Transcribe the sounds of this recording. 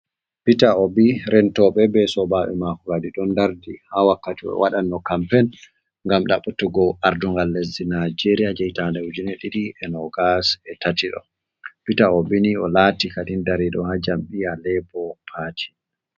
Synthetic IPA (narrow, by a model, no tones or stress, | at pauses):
pitaɔbiɾɛntɔɓɛbɛsɔbaɓɛ̰makuɾadiɗɔndaɾdihawakːatiɔɛ̰waɗanːɔkampɛn | ŋɡamɗaɓutːuɡɔaɾduŋɡalːezinad͡ʒeɾiad͡ʒɛjtandɛwud͡ʒinɛɗiɗiʔɛnɔɡasɛtatiɗɔ̰ | pitaɔbiniɔlatikaɗindaɾiɗɔ̰had͡ʒamɓialɛpɔpʰaːtʰi̥